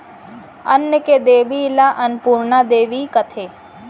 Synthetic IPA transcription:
ɐnjəked̪eːʋiːlaʔɐnpuːɾɳad̪eːʋiːkət̪ʰeː

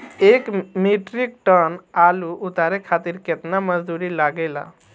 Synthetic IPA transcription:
ekmiʈɾik̚ʈənaːluʔʊt̪aɾekʰat̪iɾket̪naməd͡ʒd̪uɾilaɡela̰

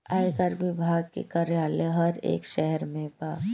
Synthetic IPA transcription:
aːjkəɾʋɪbʱaːɡ̚kḛkɐɾjaːleɦɐɾḛːkʃɛɦɛɾmẽbaː

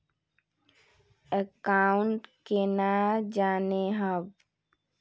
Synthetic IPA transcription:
əkaːʊɳʈkenad͡ʒaːneɦəb

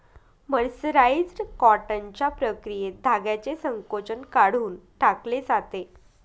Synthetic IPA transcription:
məɽsɾaid͡zɾkɔʈaɲt͡ɕapɾəkɾijed̪ʱaɡjat͡ɕesəŋkot͡ɕənkaɽ̤uːnʈakled͡zat̪e

